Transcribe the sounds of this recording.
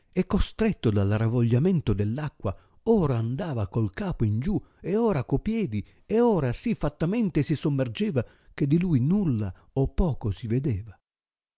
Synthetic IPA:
ekːost̪ɾɛt̪ːod̪alaravoʎːamɛnt̪od̪elːakːwa | ɔːɾaːnd̪aːvakolkaːpoind͡ʒu | eoːɾakopjɛːd̪i | eoːɾasifːat̪ːamɛnt̪esisomːerd͡ʒɛːva | k̟ed̪ːilujnulːa | opːɔːkosived̪eːva

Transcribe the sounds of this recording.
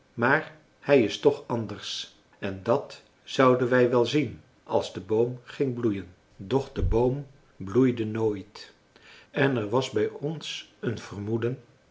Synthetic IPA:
maːɹ | hɛjɪstɔχɑndəɹs | ɛndɑt | z̥ʌwdənʋɛjʋɛlˠzin | ʔɑ̰lˠzdəbowmχɪŋblujən | dɔχdəbowm | blujdənoːjt | ɛnɛɹʋɑzbɛjɔnsənv̥ərmudən

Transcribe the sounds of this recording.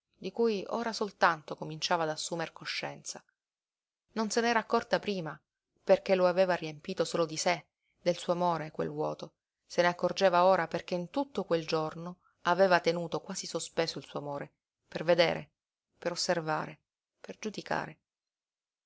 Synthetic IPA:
d̪ikujo̰ːɾasolt̪ant̪okomint͡ʃaːvaːd̪asːuːmerkoʃːɛnt̪sa | nonsenɛːɾaːkːɔrt̪apɾiːma | perk̟eloaveːvariempiːt̪osoːlod̪ise | d̪elsuːoamoːɾekwḛlwɔ̰ːt̪o | seneakːord͡ʒeːvaoːɾaperk̟eint̪ut̪ːokweld͡ʒorno | aveːvat̪enuːt̪okwaːzisospeːsoilsuoamoːɾe | perved̪ḛːɾʔḛ | peɾosːerva̰ːɾe | perd͡ʒud̪ika̰ːɾe

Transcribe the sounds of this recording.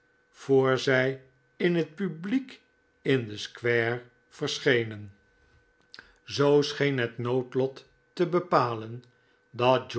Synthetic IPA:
v̥oːɹzɛj | ɪnɦət̚pyblik | ɪnd̪əskʋɛːɹ | v̥ərsχejnən | zowsχejnɦətnowtlɔtː | əbəpaːlən | dɑt̚d͡ʒ

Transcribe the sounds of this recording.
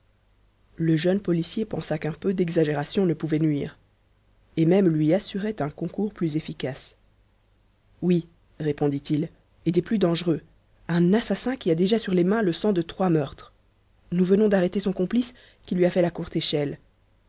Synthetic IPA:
ləʒœnpɔlisjepɑ̃sakɛ̃pød̪ɛɡzaʒeʁasjɔ̃nəpuvɛnɥiːʁ | emɛmlɥiasyʁɛt̪ɛ̃kɔ̃kuʁplyzefikas | wi | ʁepɔ̃d̪it̪il | ed̪ɛplyd̪ɑ̃ʒʁø | ɛ̃nasasɛ̃kʲiad̪eʒasyʁlemɛ̃ləsɑ̃d̪ət̪χwamœʁt̪χ | nuvənɔ̃d̪aʁet̪esɔ̃kɔ̃plis | kʲilɥiafɛlakuʁt̪eʃɛl

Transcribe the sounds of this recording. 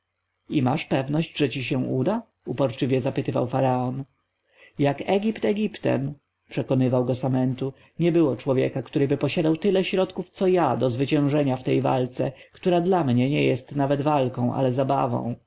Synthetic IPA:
imaʂpɛvnɔɕt͡ɕʐɛt͡ɕiɕɛ̃ud̪a | upɔɾt͡ʂɘvʲjɛzapɘt̪ɘva̰wfaɾaɔn | jakɛɡʲipt̪ɛɡʲipt̪ɛ̰m | pʂɛkɔnɘvawɡɔsamɛnt̪u | ɲɛbɘwɔt͡ʂwɔvʲjɛ̰kakt̪uɾɘbɘpɔɕad̪awt̪ɘlɛɕɾɔt̪kuft̪sɔjad̪ɔzvɘt͡ɕɛ̃w̃ʐɛɲaft̪ɛjva̰lt̪sɛ̰kt̪uɾad̪lamɲɛɲɛjɛst̪navɛd̪valkɔ̃w̃ʔa̰lɛzaba̰vɔ̰̃w̃

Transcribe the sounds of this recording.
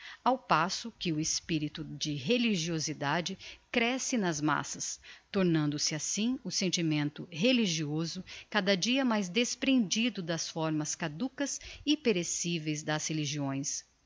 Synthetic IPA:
awpasʊkɪʊɪspiɾit̪ʊd͡ʒɪɦeliʒiozid̪ad͡ʒɪkɾɛsɪnɐzma̰sɐst̪oɾnɐ̃nd̪ʊsɪasĩʊsẽnt͡ʃimẽnt̪ʊɦeliʒiozʊkad̪ɐd͡ʒiɐmajzd̪espɾẽnd͡ʒid̪ʊd̪ɐsfɔɾmɐskad̪ukɐzipeɾesivejzd̪ɐsheliʒiõj̃s

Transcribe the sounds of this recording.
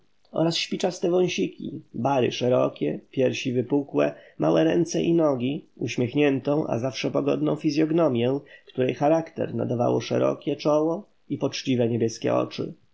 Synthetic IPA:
ɔ̰ɾasɕpʲit͡ʂast̪ɛvɔ̃w̃ɕikʲḭbaɾɘ̰ʂɛɾɔkʲɛpʲjɛɾɕivɘpukwɛmʔawɛɾɛnt̪sɛʔinɔɡʲiuɕmʲjɛxɲɛnt̪ɔ̃w̃ʔa̰zafʂɛpɔɡɔd̪nɔ̃w̃fʲizʲjɔɡnɔmʲjɛ̃kt̪uɾɛjxaɾakt̪ɛ̰ɾna̰d̪ava̰wɔ̰ʂɛ̰ɾɔ̰kʲɛt͡ʂɔwɔ | ipɔt͡ʂt͡ɕivɛɲebʲjɛskʲɛ̰ʔɔ̰t͡ʂɘ̰

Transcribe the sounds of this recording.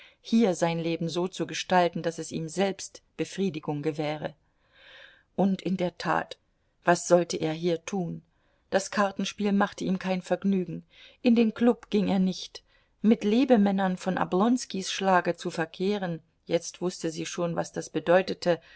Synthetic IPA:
hiːɐzaɪnleːbm̩zoːt͡suɡəʃtaltn̩dasɛsḭːmzɛlpstb̥əfʁ̥iːdɪɡʊŋɡəvɛːʁ̞ə | ʔʊntʔɪndeːɐtʰa̰ːt | v̥asz̥ɔltəʔeːɐɦiːɐtʰuːn | d̥askʰaɐtn̩ʃpiːlmaχtəiːmkʰaɪnfɛɐɡnyːɡŋ̩ | ʔɪndeːnkl̥ʊpɡ̥ɪŋeːɐnɪçt | mɪtleːbəmɛnɐnfɔnʔa̰blɔnskisʃlaːɡət͡sufɛɐkʰeːʁən | jɛt͡stv̥ʊstəziːʃoːnva̰sd̥asb̥ədɔʏtətʰə

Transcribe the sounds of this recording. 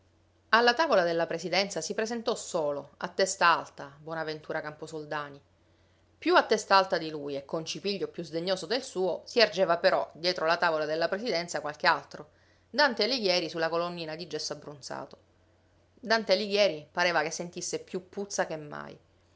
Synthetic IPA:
alːat̪aːvolad̪elːapɾesid̪ɛnt̪sasipɾezent̪ɔsoːloa̰t̪ːɛst̪aalt̪abwɔːnavent̪uːɾakamposold̪aːni | pjuat̪ːɛst̪aalt̪ad̪ilujekʰːont͡ʃipiʎːopjuzd̪eɲːoːzod̪elsuːosiard͡ʒeːvapeɾɔd̪jɛːt̪ɾolat̪aːvolad̪elːapɾesid̪ɛnt̪sakwalk̟ealt̪ɾo | d̪ant̪eliɡjɛːɾisulːakolonːiːnad̪id͡ʒːɛsːabːɾunsa̰ːt̪o̥ | d̪ant̪eliɡjɛːɾipaɾeːvakesːent̪isːepjupːut̪sːakemːa̰j

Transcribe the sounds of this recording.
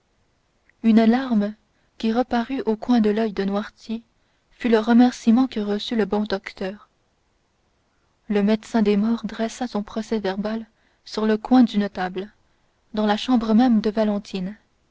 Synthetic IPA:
ynalaʁm | kʲiʁəpaʁyʔokwɛ̃d̪əlœjd̪ənwaʁt̪je | fyləʁəmɛʁsimɑ̃kəʁəsyləbɔ̃d̪ɔkt̪œːʁ | ləmɛd̪sɛ̃d̪emɔʁd̪ʁɛsasɔ̃pχɔsɛvɛʁbal | syʁləkwɛ̃d̪ynt̪abl | d̪ɑ̃laʃɑ̃bʁəmɛmd̪əvalɑ̃t̪ʰin

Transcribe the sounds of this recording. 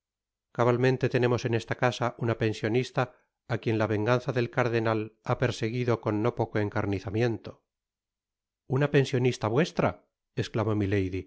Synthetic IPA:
kaβalmẽ̞nt̪e̞t̪e̞ne̞mo̞se̞ne̞st̪akasaʔunape̞nsjo̞nist̪aː | kje̞nlaβe̞ŋɡanθaðe̞lkaɾðe̞nalape̞ɾse̞ɣiðo̞ko̞nːo̞po̞ko̞e̞ŋkaɾniθamje̞nt̪o̞ | unape̞nsjo̞nist̪aβwe̞st̪ɾa | e̞sklamo̞mile̞jði

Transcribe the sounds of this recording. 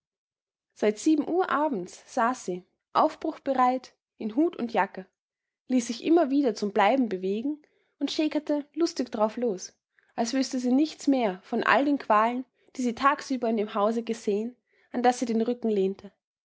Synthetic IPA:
z̥aɪtz̥iːbm̩ʔuːɐʔaːbm̩t͡sz̥aːsz̥iː | ʔa̰ʊfb̥ʁʊxb̥əʁaɪt | ʔɪnɦuːtʰʊ̰ntjakə | liːsz̥ɪçʔɪmɐviːdɐt͡sʊmblaɪbm̩bəveːɡŋ̩ | ʊntʃeːkɐtəlʊstɪçd̥aʁaʊfloːs | ʔalsv̥ʏstəziːnɪçt͡smeːɐfɔnʔa̰ldeːnkʰv̥aːlən | d̥iːziːtʰaːksyːbɐɪndeːmɦaʊzəɡəzeːən | ʔandasz̥iːdeːnʁʏkŋ̩leːntʰə

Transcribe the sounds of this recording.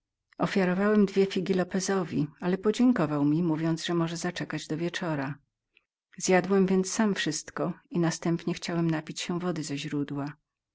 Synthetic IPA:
ɔfʲjaɾɔvawɛmd̪vʲjɛfʲiɡʲilɔpɛzɔvʲialɛpɔd͡ʑɛŋkɔvawmʲimuvʲjɔnd̪zʐɛmɔʐɛzat͡ʂɛkad͡ʑd̪ɔvʲjɛt͡ʂɔɾa | zjad̪wɛmvʲjɛnt̪ssamfʂɘst̪kɔinast̪ɛmpɲɛxt͡ɕawɛmnapʲit͡ɕɕɛvɔd̪ɘzɛʑɾud̪wa

